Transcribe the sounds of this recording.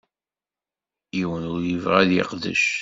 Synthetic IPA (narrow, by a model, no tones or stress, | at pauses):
jiwənʊɾjəvʁæðjɪ̰qd̪ə̰ʃ